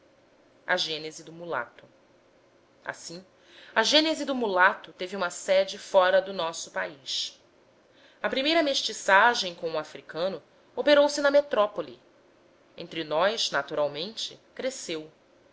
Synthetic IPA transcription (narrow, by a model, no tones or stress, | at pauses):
ɐʒẽnezɪd̪ʊmula̰t̪ʊ̥ | a̰sĩ | ɐʒẽnezid̪ʊmulat̪ʊt̪eviũmɐsɛd͡ʒɪfɔɾɐd̪ʊnɔsʊ̥paiʃ | ɐpɾimejɾɐmeʃt͡ʃisaʒẽj̃kõʊafɾikɐ̃nʊ | opeɾowsɪnɐmet̪ɾɔpolḭ | ẽnt̪ɾinɔjʃnat̪uɾawmẽnt͡ʃɪkɾesew